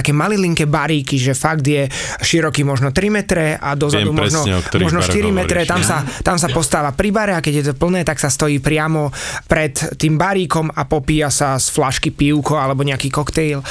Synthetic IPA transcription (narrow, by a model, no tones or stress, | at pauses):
akɛːmaliliŋkɛbaɾiːkiʒɛfaɡd̪jɛ | ʃiɾɔkiːmɔʒnɔt̪ɾimɛt̪ɾɛʔad̪ɔzaumɔʒnɔɲɛmɔʒnɔʃʃt̪iɾimɛɾɛt̪amsat̪amsapɔst̪aːʋapɾibaɾɛakɛɟjɛt̪ɔpl̩nɛːt̪aksast̪ɔjiːpɾɪamɔpɾɛt̪ːiːmbaɾiːkɔmapɔpiːasasflaʃkipiʊkɔalɛbɔɲɛakiːkɔkt̪ɛjl